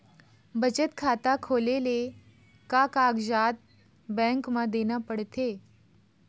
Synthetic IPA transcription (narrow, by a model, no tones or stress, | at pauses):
bət͡ɕət̪kʰat̪akʰolele | kakaɡd͡ʑat̪̚ | bɛ̃ŋkmãd̪enjapəɽt̪e